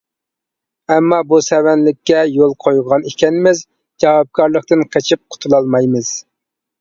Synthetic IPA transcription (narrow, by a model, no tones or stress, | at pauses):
ɛmːɑbusɛwɛnlɪkʲːɛjolˠqʰojʁɑnikʲɛnɪmɪz | d͡ʒɑwɑp̚kʰɑɾlˠəqt̪ɨnqʰet͡ʃʰip̚qʰʊ̥t̪ʰulˠɑlˠmɑjmɨz̥